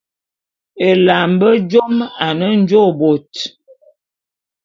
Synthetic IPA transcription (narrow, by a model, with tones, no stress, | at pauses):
e˨la˨mbə˦d͡ʒo˦ma˨nə˦n̩˦d͡ʒo˦bo˨t